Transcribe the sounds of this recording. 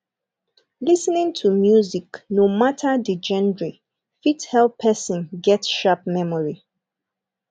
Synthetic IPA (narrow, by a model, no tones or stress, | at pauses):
lisnĩŋtʰumjuziknomatʰədid͡ʒɛ̃ndɹi | fithɛlpʰːɛsə̃nɡɛtʃapmɛmɔɹi